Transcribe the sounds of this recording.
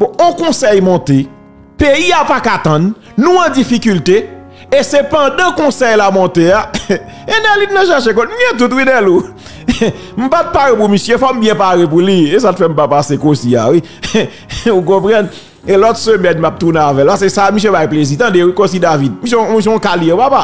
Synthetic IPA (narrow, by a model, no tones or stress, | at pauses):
bɔõkɔ̃sɛjmɔ̃t̪e | peiapakat̪ɐ̃nː | ũãd͡zifikylte | esepɐ̃dãkɔ̃sɛjlamɔ̃t̪eaenɛlinnãʃɛʃ̬ek̬ɔ̃tm̩jetut̬winɛlu | m̩pat̪̚paɣepumisjøfɔmbjɛ̃paɣep̬ulies̬atfɛm̩papasekosia̰wi | uk̬ɔ̃pʁɑ̃n | elɔt̪sømɛnmap̚t̪uneavɛlpas̬esamis̬jøbajplezit̪ãdewikos̬idavid̚mis̬jmis̬jeɔ̃kaliepapa